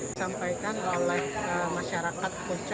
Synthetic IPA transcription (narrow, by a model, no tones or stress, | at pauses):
sampajkanolɛhəmaʃaɾakat̪̚kut͡ʃ